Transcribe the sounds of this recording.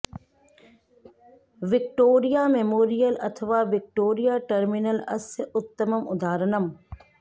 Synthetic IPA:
ʋɪk̚ʈoːɾijaːmemoːɾijəlɐ̰t̪ʰɐʋaːʋɪk̚ʈoːɾijaːʈɐɾminəlɐ̰sʊt̪ːəməmʊd̪ʱaːɾənɐm

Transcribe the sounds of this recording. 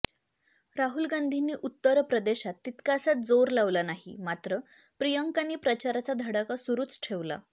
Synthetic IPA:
ɾaɦulɡãnd̪ʱiniːʔut̪ːəɾpɾəd̪eɕat̪ːit̪kasat̪̚d͡zoɾlaʋlanaɦḭmat̪ɾə | pɾijəŋkaniːpɾət͡ɕaɾat͡sad̪ʱəɽakasuɾuːt͡sʈʰeʋla̰

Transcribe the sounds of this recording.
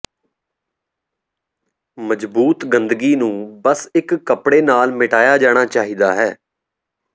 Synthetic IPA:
məd͡ʒbuːt̪ɡənd̪ɡiːnũːbəsɪkːəpɽeːnaːlmɪʈaːjaːd͡ʒaːɽ̃aːt͡ʃaːɦiːd̪aːɦɛː

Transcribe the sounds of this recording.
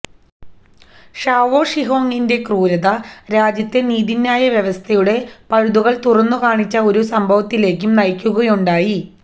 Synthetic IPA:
ʂaːʋo̞ːʂiɦo̞ːŋːinde̞kruːɾɐðɐɾaːd͡ʑjɐt̪ːe̞niːðinːaːjɐʋjɐʋɐst̪ʰɐjuɽe̞pɐɻud̪uɣɐɭt̪urɐnːukaːɳit͡ɕːɐo̞ɾusɐmbʱɐʋɐt̪ːile̞ːk̬ʲːumnɐjkʲːuɣɐjuɳɖaːji

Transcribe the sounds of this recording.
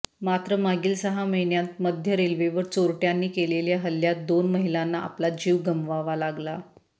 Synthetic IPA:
mat̪ɾəmaɡiːlsəɦaməɦinjat̪̚məd̪ʱjəɾelʋeʋəɾt͡soɾʈjanːiːkeleljaɦəlːjat̪̚d̪onməɦilanːaa̰plad͡ʑiːʋɡəmʋaʋalaɡla

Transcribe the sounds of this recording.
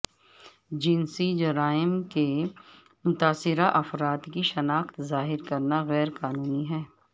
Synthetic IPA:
d͡ʒɪnsid͡ʒɐɾaːɪmke | mʊt̪aːsɪɾaʔɐfɾaːt̪kiʃɐnaːxt̪zaːɦɪɾkɐɾnaɣɛːɾkaːnuːniɦɛː

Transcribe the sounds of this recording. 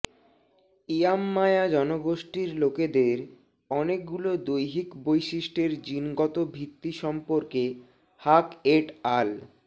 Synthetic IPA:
iamːaead͡ʑɔnoɡoʃʈiɾloked̪eɾ | ɔnek̚ɡulod̪ojɦikbojʃiʃʈeɾd͡ʑinɡɔt̪obʱit̪ːiʃɔmpoɾke | hakeʈal

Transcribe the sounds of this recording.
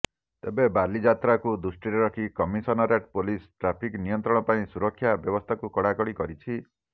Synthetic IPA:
t̪ebebalid͡ʒat̪ɾakud̪usʈiɾeɾɔkʰikɔmisɔnɔɾeʈpolisʈɾapʰiknijɔnt̪ɾɔɽ̃ɔpaĩsuɾɔkʰːjabjɔbɔst̪ʰakukɔɽakɔɽikɔɾit͡ʃʰi

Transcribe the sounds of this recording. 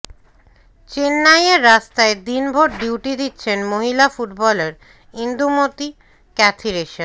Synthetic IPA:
t͡ɕenːajeɾːast̪aed̪inbʱoɾɖiwʈid̪it̪ːɕʰenmoɦilafuʈbɔleɾ | ind̪umot̪i | kɛt̪ʰiɾeʃen

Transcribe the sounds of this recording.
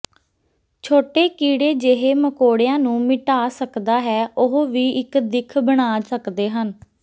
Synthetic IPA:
t͡ʃʰoːʈeːkiːɽeːd͡ʒeːɦeːməkoːɽejãːnũːmɪʈaːsəkd̪aːɦɛːʊɦoʋiːʔɪkd̪ɪkʰbəɽ̃aːsəkd̪eːɦən

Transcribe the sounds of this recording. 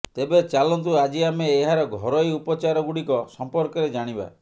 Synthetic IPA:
t̪ebet͡ʃalɔnt̪uad͡ʒiameːɦaɾɔɡʱɔɾɔjupɔt͡ʃaɾɔɡuɽikɔsɔmpɔɾkɔɾed͡ʒaɽ̃iba̰

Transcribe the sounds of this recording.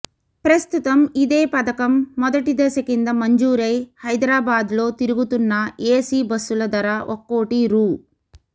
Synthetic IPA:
pɾɐst̪ut̪ɐmid̪eːpɐd̪ɐkɐmːɔd̪ɐʈid̪ɐsɐkind̪ɐmɐɲd͡ʒuːɾɐjhɐjd̪ɾaːbaːd̪lo̞ːt̪iɾiɡut̪unːɐeːsibɐsulɐd̪ɐɾɐʔokːoːʈiɾuː

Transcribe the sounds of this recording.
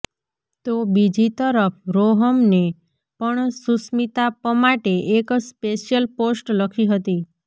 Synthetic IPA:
t̪obid͡ʒit̪əɾəpʰɾoɦəmne | pəɳsusmit̪apəmaʈeʔekspeʃjəlposʈləkʰiɦət̪i

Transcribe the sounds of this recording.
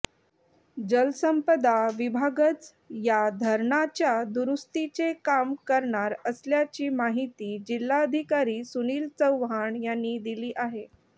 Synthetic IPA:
d͡ʑəlsəmpəd̪aʋibʱaɡət͡s | jad̪ʱəɾɳat͡ɕjad̪uɾust̪it͡sekamkəɾɳaɾəsljat͡ɕiːmaɦit̪iːd͡ʑilːaəd̪ʱikaɾiːsuniːlt͡səwʋɦaɳjanːiːd̪iliːʔaɦe

